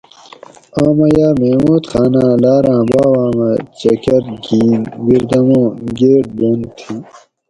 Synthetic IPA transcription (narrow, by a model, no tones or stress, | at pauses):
aːmɐjaːmemuːt̪xaːnãːlaːɾãːbaːwaːmɐt͡ɕɐkɐɾɡiːnɡiɾd̪ɐmõːɡeːʈ̚bont̪ʰi